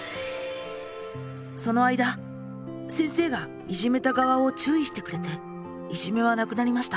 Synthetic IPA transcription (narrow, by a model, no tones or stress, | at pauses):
so̞no̞aid̪a | sẽ̞ɰ̃se̞ːɡa | iʑime̞t̪aɡaβao̞t͡ɕɨːiɕi̥t̪e̞kɯ̟ɾe̞t̪e̞ | iʑime̞β̞anakɯ̟naɾʲimaɕi̥t̪a